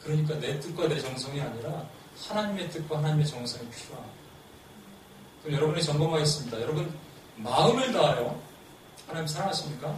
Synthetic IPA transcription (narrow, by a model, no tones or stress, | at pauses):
kɯɾʌɲik̬͈ane̞t͈uk͈̚adeɾet͡ɕʌŋsʰʌŋiaɲiɾa | hanaɲime̞t͈ɯk̚k͈waɦanaɲime̞t͡ɕʌŋsʰʌŋeɭpʰua | kɯɾʌmjʌɾʌbunet͡ɕʌŋbʌmaes͈ɯmɲidajʌɾʌbɯn | maɯmɯɭnaajo | hanaɲimsʰaɾaŋɦaɕʰimɲik͈a